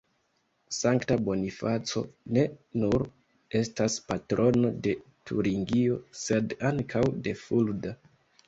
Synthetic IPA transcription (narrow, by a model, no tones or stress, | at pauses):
saŋktabo̞nifat͡so̞̰ne̞nuɾ | e̞staspatɾʔo̞no̞de̞tʰṵɾiŋɡio̞se̞daŋkʰawde̞fulda